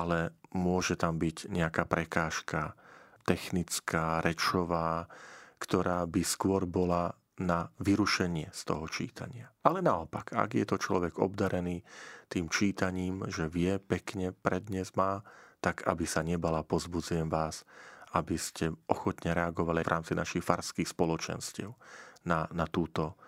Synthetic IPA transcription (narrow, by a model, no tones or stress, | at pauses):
ʔalɛmʊɔʒɛt̪ambiɟɲɛakaːpɾɛkaːʃkat̪ɛxnit͡skʰaːɾɛt͡ʃɔʋaːkt̪ɔɾaːbiskʊɔɾbɔla | naʋiɾuʃɛɲɪɛst̪ɔ̰ɦɔt͡ʃḭːt̪a̰ɲɪaʔalɛnaɔpaɡa̰ɡjɛt̪ɔt͡ʃlɔʋɛɡɔ̰bd̪aɾɛniːt̪iːmt͡ʃiːt̪aɲiːmʒɛʋɪɛpɛkɲɛpɾɛd̪ɲɛzmaːt̪aɡʰa̰bisaɲɛbalapɔzbud͡zujɛmʋaːsabiscɛɔxɔt̪ɲɛɾɛaɡɔʋalivɾʔa̰ːmt͡sinaʃixfaɾskixspɔlɔt͡ʃɛ̰nscɪɛ̰ʊnanat̪uːt̪ɔ